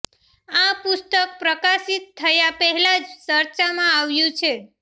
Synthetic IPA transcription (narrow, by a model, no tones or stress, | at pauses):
apʊst̪ək̚pɾəkasit̪ʰːəjapəɦɛlad͡ʒt͡ʃəɾt͡ʃamãaʋjũt͡ʃʰe